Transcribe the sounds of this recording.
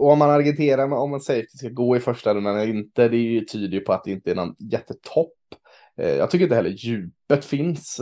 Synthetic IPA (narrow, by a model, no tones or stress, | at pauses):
ɔɔmːanaɾɡɪnt̪ʰeːɾaɾmɔmːansɛjɾt̪ɪskaɡoːɪfœʂʈaɾɵnd̪anɛlːəɾɪnt̪əd̪ɛæɾjʏt̪ʰyːd̪əjʉpʰɔat̪̚d̪ɛɪnt̪əæɳɔnjɛt̪ʰːət̪ʰɔpː | jɑ̰ɡt̪ʰʏkːɾɪnhɛlːəjʉ̟ːpət̪fɪns